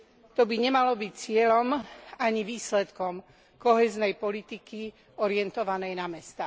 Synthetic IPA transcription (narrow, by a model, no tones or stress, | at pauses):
t̪ɔbiɲɛmalɔbict͡sɪɛlɔmaɲiʋiːslɛt̪kɔm | kɔɦɛːznɛjpɔlit̪iki | ɔɾɪɛnt̪ɔʋanɛjnamɛst̪aː